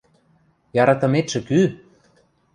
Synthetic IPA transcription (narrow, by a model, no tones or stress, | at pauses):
jɑɾɑt̪ɤ̆met̪ʃə̆ky